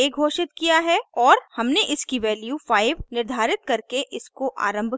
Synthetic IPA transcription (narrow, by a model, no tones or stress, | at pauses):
eːɡʱoːʃɪt̪kijaɦɛɔːɾhɐmneʔɪskiʋɛːljufaːɪʋnɪɾd̪ʱaːɾɪt̪̚kɐɾkeʔɪskoʔa̰ːɾə̃mbʱ